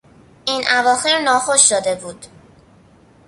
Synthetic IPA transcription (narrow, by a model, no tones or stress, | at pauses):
ʔinʔævɒːxe̞ɾnɒːxoʃd̪od̪e̞buːd̪̥